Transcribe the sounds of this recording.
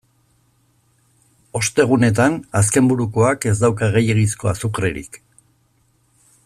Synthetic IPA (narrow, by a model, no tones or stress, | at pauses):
o̞st̪e̞ɣ̞une̞t̪̬anas̬ke̞mbuɾuko̞ake̞zd̪awkaɣejeɣisko̞a̰sukɾḛɾḭk